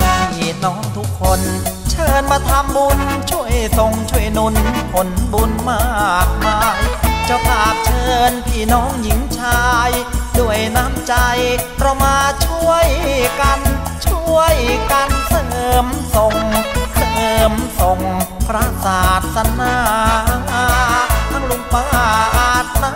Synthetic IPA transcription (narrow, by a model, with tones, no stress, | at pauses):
e˨˩t̪̚nɔː˦˥ŋt̪ʰu˦˥kʰːo˧nt͡ɕʰɤː˧nma˧t̪ʰa˧mbu˧nt͡ɕʰu˧˥˩əjso˨˩ŋt͡ɕʰu˧˥˩əjnu˧npʰo˨˩˦nbuː˧nmaː˥˩˥k̚maː˧t͡ɕa˧˩pʰaː˨˩p̚t͡ɕʰɤː˧npʰiː˧˩nɔː˦˥ŋji˨˧˦ŋt͡ɕʰaː˧jdu˧˩əjnaː˦˥mt͡ɕa˧jpɾa˧wmaː˧t͡ɕʰu˥˩əjka˧nt͡ɕʰu˧˥˩əjka˧nsʰa˧əː˧˩mso˨˩ŋsʰa˧ɤː˧˩mso˨˩ŋpʰɾa˧˥saː˨˩t̪̚sa˧˥naː˧˥˩ʔaː˧˩ŋʔaː˧˩t̪ʰaː˧˩ŋlu˧˦mpaː˧˥˩ʔaː˧˩t̪̚na˧˥